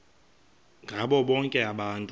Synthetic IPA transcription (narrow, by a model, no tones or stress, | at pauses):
ŋɡʱaɓɔɓɔŋkʼɛaɓaːntʼ